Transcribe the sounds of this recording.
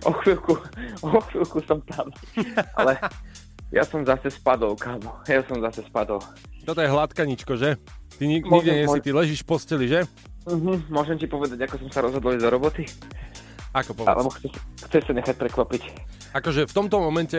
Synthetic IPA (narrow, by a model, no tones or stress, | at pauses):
ɔxʋilkuɔxʋilkusɔmt̪ama̰lɛ | ja̰sɔmzasɛspad̪ɔlkaːmɔjasɔmzasɛspad̪ɔl | t̪ɔt̪ɔjɛɦlat̪kaɲit͡ʃkɔʒɛt̪iɲiɲiɡɟɛɲɛsit̪ilɛʒiːʃpɔscɛliʒɛ | m̩ɦ̩mʊɔʒɛmcipɔʋɛd̪aɟakɔsɔmsaɾɔzɦɔd̪ɔlid̪ɔɾɔbɔt̪i | akɔpɔa̰lɛ̰bɔxt͡sɛxt͡sɛʃsaɲɛxac̚pɾɛkʋapic | akɔʒɛft̪ɔmt̪ɔmɔmɛncɛ